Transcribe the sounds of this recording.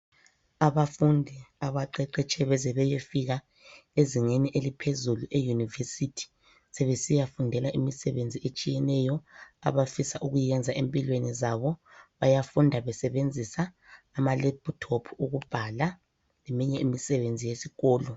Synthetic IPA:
aβafundʱiaβaǃɛǃɛt͡ʃʰʼɛβɛzɛβɛjefiɣa | eziŋeniʔelipʰezuluʔejunivesitʰi̥ | sɛβesijafundʱɛlaʔimisɛβend͡zʱiet͡ʃʼijɛnɛjɔa̰βafisaʔuɣujɛnd͡zʱaʔempʼilwenizaβɔβajafundʱaβɛsɛβend͡zʱisaː | malɛptʰopʰuɣub̥ʱala | lemiɲɛimisɛβend͡zʱijesiɣɔːlɔ

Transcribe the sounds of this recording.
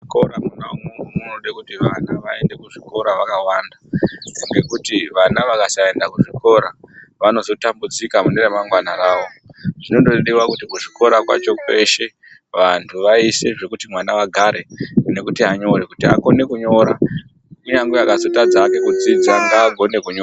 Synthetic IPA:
ikoɾamunaumumunoɗekutiʋa̰naʋae̞nde̞kuʐiko̞ɾaʋakawandaŋɡe̞kutiʋanaʋakasaendakuʐiko̞ɾaʋano̞zo̞tambud͡zikamuneremaŋɡwanaɾaːʋo̞ʐ̥ino̞ndoeɗiwakutikuʐiko̞ɾakwa̰t͡ʃo̞kwe̞ʃe̞ | ʋantʰuʋaise̞ʐe̞kutimwanaʋaɡʱaɾe̞ne̞kutiaɲo̞ɾekutia̰ko̞ne̞kuɲo̞ɾa | ijaŋɡojakazo̞tad͡zake̞kud͡zid͡zandaːɡʱo̞ne̞kuɲoa

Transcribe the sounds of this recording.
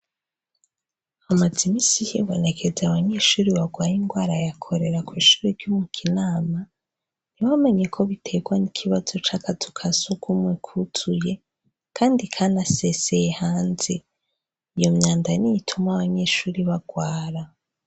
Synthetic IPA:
amazimiːsijḭβo̞ne̞kʰe̞zaβaɲe̞ʃuːɾiβaɡwaːjiŋɡwaːɾajakʰo̞ɾe̞ɾakwiːʃuːɾiɾɟumukʰinaːma | niwame̞ɲe̞kʰo̞βitʰe̞ɡwanikʰiβazo̞t͡ʃakʰazukʰasukʰumwekʰutʰuje̞ | kʰaːndikʰanase̞sejehaːnze | ijo̞mɲaːndanijitʰumaβaɲe̞ʃuːɾiβaɡwaːɾa

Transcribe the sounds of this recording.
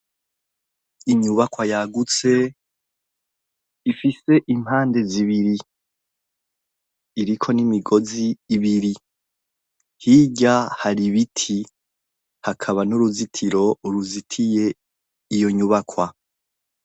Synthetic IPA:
iɲuβakwajaɡut͡se̞ | ifise̞ʔimaːnde̞ziβiɾi | ɾikʰo̞nimiɡo̞ziːβiɾi | hiːɟahaɾiβitʰi | hakʰaβanuɾuzitʰiɾo̞uɾuzitʰije̞ | ijo̞ɲuβakʰwa

